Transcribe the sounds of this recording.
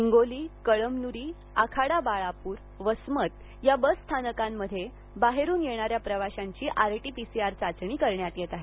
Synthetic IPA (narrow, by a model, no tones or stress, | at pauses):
iŋɡoliːkəɭəmnuɾiː | akʰaɽabaɭapuːɾ | ʋəsmət̪ | jabəsːt̪ʰanəkãmːəd̪ʱːje | baɦeɾuːnjeɽ̃aɾjapɾəʋaɕaɲt͡ɕiːʔaɾʈipisiaɾt͡sat͡sɳiːkəɾɳjat̪jet̪aɦe